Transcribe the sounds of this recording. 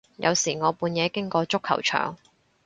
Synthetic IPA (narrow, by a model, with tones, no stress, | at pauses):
jʔɐ̰˨˧wsiː˨˩ŋɔː˨˧puː˨˧njɛː˨˧kɪ˥ŋkɔː˧t͡sʊ˥kʰːɐ̰˨˩wt͡ʃʰœ̰ː˨˩ŋ